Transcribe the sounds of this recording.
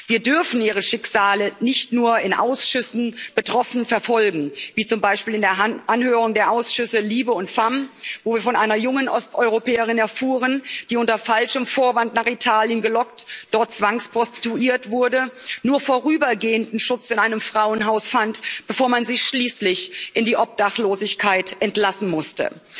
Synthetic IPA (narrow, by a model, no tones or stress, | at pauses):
viːɐdʏɐfn̩iːʁ̞əʃɪkz̥aːlənɪçtnuːɐɪnʔa̰ʊsʃʏsn̩b̥ətʁ̥ɔfn̩fɛɐfɔlɡŋ̩viːt͡sʊmbaɪʃpiːlɪndeːɐʔanhøːʁʊŋdeːɐʔaʊsʃʏsəliːbəʊntfamvoːviːɐfɔnʔaɪnɐjʊŋənʔɔstʔɔʏʁopɛːəʁɪnɛɐfuːʁənd̥iːʊntɐfalʃəmfoːɐvantnaːχitʰaːljənɡəlɔktd̥ɔɐtt͡sv̥aŋspʁ̥ɔsti̥tuiːɐtv̥ʊɐdənuːɐfoːʁyːbɐɡeːəndn̩ʃʊt͡sɪnʔaɪnəmfʁ̥aʊənɦaʊsfantb̥əfoːɐmanzɪçʃliːslɪçʔɪndiːʔɔp̚d̥aχloːzɪçkʰaɪtʔɛntlasn̩mʊstə̰